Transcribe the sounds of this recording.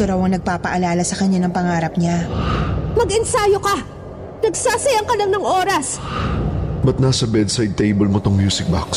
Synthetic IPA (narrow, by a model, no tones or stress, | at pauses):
oɾɐwɐŋnɐɡ̚paːpɐʔɐlaːlɐsɐkɐɲanɐŋpɐŋaːɾɐp̚ɲa | mɐɡɐnsaːjoka | nɐɡsaːsɐjaŋkɐlɐŋnɐŋʔoːɾɐs | bɐt̪̚naːsɐbɛd̪sajd̪̚t̪ejbɛlmot̪oŋmjuːsɪk̚ba̰ks